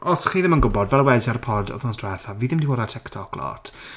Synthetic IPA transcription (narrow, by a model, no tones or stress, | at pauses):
ɔsχiːðɪmənɡʊbɔdvɛlˠwɛzaɾəpʰɔrdɔ̰θnɔsdwɛθaviːðɪmdiwɔːdatʰɛktʰɔkʰlɔ̰tʰ